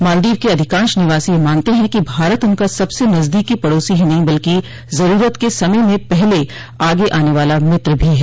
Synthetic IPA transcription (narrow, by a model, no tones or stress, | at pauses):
maːld̪iːʋkeɐd̪ʱɪkãːʃnɪʋaːsijemaːnt̪eɦɛ̃kibʱaːɾət̪ʊnkasɐbsenɐzd̪iːkipɐɽoːsiɦĩnɐɦĩbɐlki | zɐɾuːɾət̪kesɐməjmẽpɛɦle | aːɡeʔaːneʋaːlamɪt̪ɾbʱiɦɛː